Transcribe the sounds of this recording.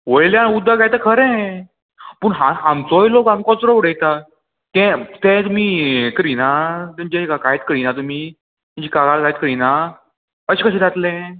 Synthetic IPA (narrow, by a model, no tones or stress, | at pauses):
ʋəɭljaaud̪ʱːakajt̪əkʰəɾɛ̃ | pəɳɦãɦamt͡sɔjlokamkɔt͡sɾɔuɽəjt̪a | t̪ɛ̃t̪ɛ̃t̪umiːkəɾinat̪eɲd͡ʑẽkakajt̪kəɾinat̪um̤i | mə̃ɲd͡ʑikaɡalkajt̪kəɾina | əɕikəɕĩd͡z̪at̪lɛ̃